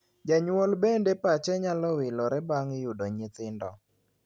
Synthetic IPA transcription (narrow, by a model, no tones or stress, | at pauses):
d͡ʒaɲwɔlbendepat͡ʃɛɲalɔwɪlɔɾɛbaŋɪjudoɲɪt̪ɪndɔ̰